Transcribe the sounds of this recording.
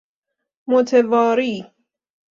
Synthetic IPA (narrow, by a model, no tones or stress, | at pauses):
mot̪ʰevɒːɾiː